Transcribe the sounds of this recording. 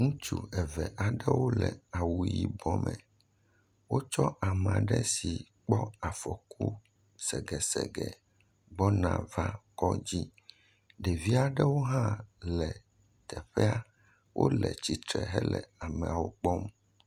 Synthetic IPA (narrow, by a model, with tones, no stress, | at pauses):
ŋũ˦t͡ʃu˨ɛ˨vɛ˨ʔa˨ɖɛ˦wo˦lɛ˨a˨wu˨ji˨bɔ˦mɛ̃˨ | wo˦t͡ʃɔ˦ʔa˨mã˨ɖɛ˦si˨k͡pɔ˦a˨fɔ˨ku˦ | sɛ˨ɡɛ˨sɛ˨ɡɛ˨ | ɡ͡bɔ˦nã˨va˦kɔ˦d͡ʑi˦ | ɖɛ˨vi˦a˨ɖɛ˦wo˦ɦã˦lɛ˨ | t̪ɛ˨ɸɛ˦a˦ | wʔo̰˦lɛ˨t͡ɕi˨t̪ɾɛ˨ɦɛ˦lɛ˨a˨mɛ̃˨a˨wo˦k͡pɔ˦m